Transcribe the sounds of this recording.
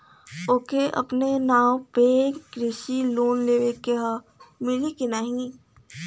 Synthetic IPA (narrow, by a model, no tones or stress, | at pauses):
oːkeʔɐ̰pnenaːwpeːɾɪʃiloːnleːʋekeɦə | mɪlikinaːɦĩ